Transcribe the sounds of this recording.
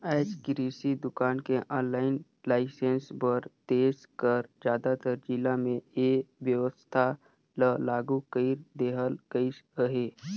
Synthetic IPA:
ɛːt͡ʃkɪɾiːsid̪ʊkaːnkeʔɔ̃ːnlaːɪn | laːɪsẽnsbəɾt̪eːzkəɾd͡ʒjaːd̪at̪əɾd͡ʒilamẽeːʋjəʋəst̪ʰa | ləlaːɡukəiɾd̪eːɦəlɡəisəɦeː

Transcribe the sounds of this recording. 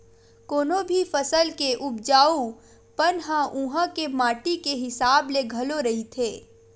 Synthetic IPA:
koːnobʱifɐsəlkeʔʊp̚d͡ʒaːu | pənɦãʔũːɦãkemaːʈikeɦɪsaːbleɡʱɐloɾɐɦit̪ʰeː

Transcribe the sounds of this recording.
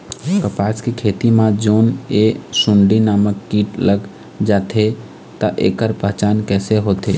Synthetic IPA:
kəpaskekʰet̪imad͡ʒoːnesuɳɖinaməkːiʈləɡ | d͡ʒaːt̪ʰe | t̪əʔḛkəɾpəɦt͡ʃankɛːseɦot̪ʰe

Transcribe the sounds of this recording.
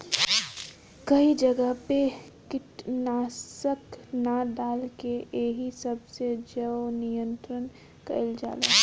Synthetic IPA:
kɐid͡ʒɐɡəɦpe | kɪʈnaːsəknaɖaːlkeeɦisəbsed͡ʒəwnijə̃nt̪ɾən | kə̰ld͡ʒa̰ːlḛː

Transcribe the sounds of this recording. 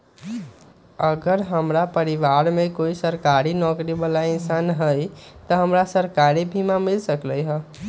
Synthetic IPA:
əɡəɾɦəmɾapəɾiʋaɾmẽkoisəɾkaɾinɔkɾibəlaɪnsanɦəjt̪əɦəmɾasəɾkaɾibʱimamɪlsəkləjɦə

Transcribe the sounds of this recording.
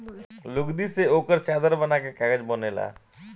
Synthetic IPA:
lʊɡd̪iseoːkəɾt͡ʃaːd̪əɾbənakekaːɡəd͡ʒboːneːla̰ː

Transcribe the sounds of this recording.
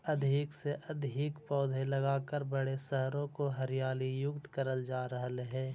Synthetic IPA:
ɐd̪ʱɪkseʔɐd̪ʱɪkpɔːd̪ʱelɐɡaːkəɾbəɽeʃɛɦɾõkoɦəɾjaːlijʊkt̪kəɾəld͡ʒaːɾəɦəlɦɛː

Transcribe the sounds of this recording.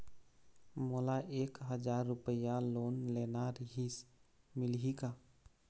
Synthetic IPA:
molaʔeːkɦəd͡ʒaɾːupəjaloːnlenaɾəɦis | mɪlɦika

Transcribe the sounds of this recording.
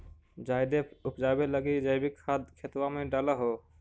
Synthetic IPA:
d͡ʒajd̪eupd͡ʒajbeləɡid͡ʒəjbikʰad̪kʰet̪wameɖələɦo

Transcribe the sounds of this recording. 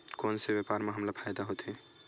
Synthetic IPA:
koːnsebjapaːɾmẽɦəmləɡpʰaːjd̪aɦot̪ɦɛ̃

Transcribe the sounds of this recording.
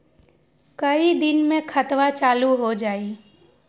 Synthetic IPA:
kɐid̪ɪnmẽkʰət̪ʋat͡ʃaːluɦod͡ʒaːiː

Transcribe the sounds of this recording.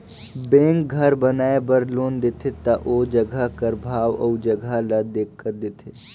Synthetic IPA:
bẽːŋk̚ɡʱɐɾbɐnaːebəɾloːnd̪et̪ʰet̪ɐʔoːd͡ʒɐɡʱakəɾbʱaːʋɔ̰ːd͡ʒɐɡʱalɐd̪eːkʰːəɾd̪et̪ʰeː

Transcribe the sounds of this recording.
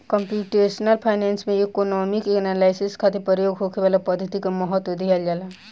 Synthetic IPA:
kəmpjuʈesnəlpʰaɪnensmẽekonɔmikeknalaɪseskʰat̪epəɾjoːɡɦokebalapəd̪ʱːət̪ikamɔɦət̪wod̪ʱiald͡ʒala

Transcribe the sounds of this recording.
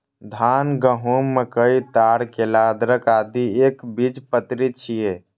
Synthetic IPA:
d̪ʱanɡəɦumːekəit̪aɾkelad̪ɾəkad̪iekbid͡ʒpət̪ɾit͡ʃʰije

